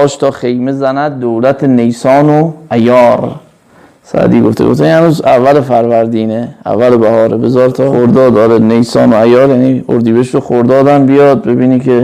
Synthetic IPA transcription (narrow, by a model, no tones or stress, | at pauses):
ɒːʃt̪ʰɒːxe̞jmezænæd̪̚ːowlæt̪ʰenejsɒːnoæjɒːɾ | sæ̰d̪iːɡoft̪ḛɡo̰ft̪eihænuːzævːælefæɾvæɾd̪iːneæ̰vːælebæhɒːɾebezɒːɾt̪ʰɒːoɾd̪ɒːd̪ɒːɾenejsɒːnoæjɒːɾjæniːo̰ɾd̪iːbeʃɾoxoɾd̪ɒːd̪ænbijɒːd̪̚bebiːniːkʰe